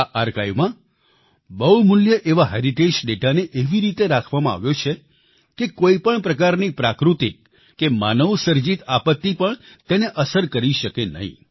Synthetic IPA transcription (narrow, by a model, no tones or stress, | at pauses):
aʔaɾkajmã | bəwmʊljəʔeʋaɦeɾiʈed͡ʒɖeʈaneʔeʋiɾit̪eɾakʰʋamãa̰ʋjot͡ʃʰe | kekoipəɳpɾəkaɾnipɾakɾut̪ik | kemanəʋsəɾd͡ʒit̪apət̪ːipəɳ | t̪eneʔəsəɾkəɾiʃəkenə̰ɦḭ̃